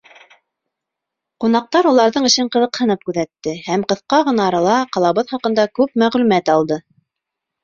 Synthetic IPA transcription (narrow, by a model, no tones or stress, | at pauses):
qunɑq̚t̪ɑɾulˠɑɾðɤɴɘ̆ʃɘɴqɤ̆ðɤ̆qhɤ̆nɤp̚kʉðæt̪ːɘhæmqɤ̆θqɑʁɤ̆nɑːɾɑlˠɑqɑlˠɑβɤðχɑqɤ̆nd̪ɑkʉpmæʁlʉmæt̪ɑlˠd̪ɤ